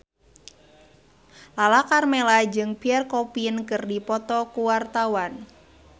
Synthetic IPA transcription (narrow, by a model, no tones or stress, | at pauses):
lalakarmelad͡ʒɨŋpiɛrkɔpinkərdipɔt̪ɔkuwart̪awan